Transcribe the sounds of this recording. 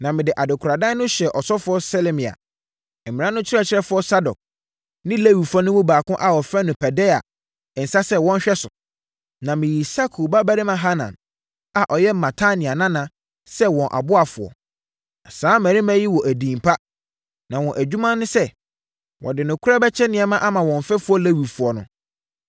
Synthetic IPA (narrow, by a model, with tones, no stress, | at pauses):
nã˨mɪ̃˨dɪ˨ʔa˨dɪ˨kʰʊ˨ɾa˨dã˦nʊ̃˦ɕɛ˨ʔɔ˨sɔ˦fʊ˨˦ɔ˦sɛ˦lɛ˦mĩ˨a̰˨ | ɛ˨mɪ̃˨ã˦nʊ̃˦t͡ɕʰɪ˦ɾɛ˦˨t͡ɕʰɪ˦ɾɛ˦fʊ˦ɔ˦sa˦dɔ̰˨k̚ | nɪ̃˦le˦wi˨fa˦nʊ̃˦mʊ̃˦baː˨kʊ̃˦ʔa˨wɔ˨fɛ˦nʊ̃˨pʰɛ˨dɛ˦a̰˨ | n̩˨sa˦sɛ˦wɔ̃˦n˦ɕᶣɛ˦sʊ˨ | nã˨mɪ̃˨ji˨sa˦kʰo˨ba˦bæ˦ɾɪ˦mã˨ɦa˦nã̰˨n | a˨ʔɔ˨jɛ˦mã˨tʰa˦nɪ̃˨a˨nã˦nã˨ | sɛ˦wɔ̃˨nʔa̰˨bʊ˦a˨fʊ˨ɔ̰˨ | a˨sãː˨˦mæ̃˨ɾĩ˦mæ̃˦ji˦wɔ˨ʔæ˨dĩː˨mpʰa˦ | nã˨wɔ̃˨ʔæ˨d͡ʑᶣu˦mã˦nʊ̃˦sɛ˦ | wʔɔ̰˨dɪ˨nʊ̃˨kʰʊ˦ɾa˦bɛ˦t͡ɕʰɛ˦nɪ̃˨ɛ˦mã˦ʔa˦mã˨wɔ̃˨ɱ˨fɛ˦fʊ˨˦ɔ˦le˦wi˨fu˨ɔ˨nʊ̰̃˦